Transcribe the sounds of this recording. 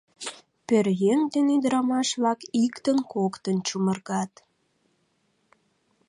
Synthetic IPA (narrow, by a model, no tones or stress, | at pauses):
pørjeŋd̪enyd̪əɾɑmɑʃβlɑkikt̪ənkokt̪ənt͡ɕumə̆rɣɑt̪